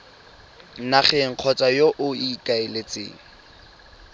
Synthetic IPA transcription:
nnaχɛŋ̩q͡χʰɔt͡sʼajoʔʊikʼaelet͡sḛːŋ̩

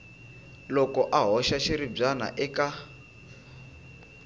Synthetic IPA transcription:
lɔkɔʔaɦɔʃaʃiɾib͡ʐana̰ʔɛka

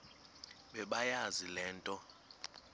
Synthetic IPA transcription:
ɓɛɓajazilɛːntʼɔ

